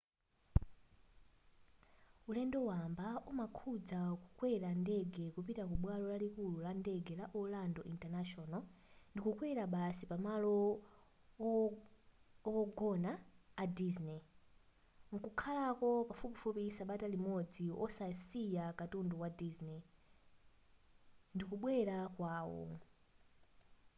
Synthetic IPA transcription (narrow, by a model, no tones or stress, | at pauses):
ulɛndɔwambaʔumakʰud͡zakukwɛɾandɛɡɛkupitak̬uɓwalɔlalikululandɛɡɛlaʔɔlandɔʔintanaʃɔna | ndikukwɛɾaɓasipamalɔ | ɔwɔɡɔnaːdiznɛ | mukukʰalakɔpafupifupisaɓatalimɔd͡ziʔɔ̰sasijakatunduwadiznɛ | ndikuɓwɛɾakwaːwɔ̰